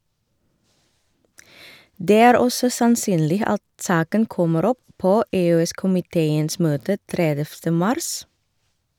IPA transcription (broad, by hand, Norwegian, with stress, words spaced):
ˈdeː ˈæːɾ ˈɔsɔ sɑnˈsyːnlɪ ˈɑt ˈsɑːkən ˈkɔməɾ ˈɔp ˈpoː eːøːˈɛskʊmɪˌteːəns ˈmøːtə ˈtɾɛdɛftə ˈmɑɾs